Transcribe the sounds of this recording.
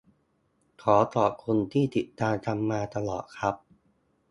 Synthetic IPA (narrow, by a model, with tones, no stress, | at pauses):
kʰɔː˩˦t̪ɔː˨˩kʰo˧nt̪ʰiː˥˩t̪i˨˩t̪̚ːaː˧nt͡ɕa˧mːaː˧t̪a˧lɔ̰ː˨˩t̪̚kʰɾa˦˥p̚